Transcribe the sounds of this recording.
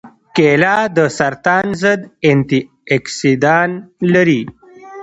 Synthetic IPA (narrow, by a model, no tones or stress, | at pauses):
kelad̪əsɐɾt̪aːnzəd̪ent̪i | eksid̪aːnləɾi